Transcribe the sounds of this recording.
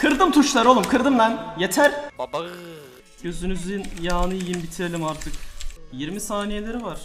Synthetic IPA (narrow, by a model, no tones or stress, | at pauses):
kʰɯɾd̪ɯmt̪ʰuʃlˠaɾo̞lˠumkʰɯɾd̪ɯmd̪anjet̪ʰæɾ | ɟ̥ø̞zynyzinjaːnɯjjinbit̪ʰiɾelʲimaɾt̪ʰɯkjiɾmisaːnije̞lʲe̞ɾivaɾ̥